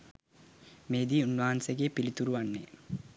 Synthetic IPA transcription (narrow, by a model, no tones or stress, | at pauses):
meːd̪iːunːaɦanseɡeːpilit̪uɾuʋanːe